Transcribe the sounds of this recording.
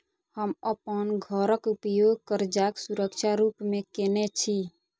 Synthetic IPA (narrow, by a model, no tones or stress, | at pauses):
həməpənɡʱəɾəkupjoɡ̚kəɾd͡ʒaksuɾəkt͡ʃʰaɾupmekenet͡ʃʰi